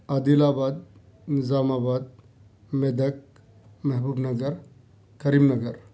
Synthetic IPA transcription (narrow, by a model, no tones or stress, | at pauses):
ɐd̪ilaːbaːd̪̚ | nizaːmaːbaːd̪̚ | med̪ɐk̚ | mɐɦbuːbnɐɡɐɾ | kɐɾiːmnɐɡɐɾ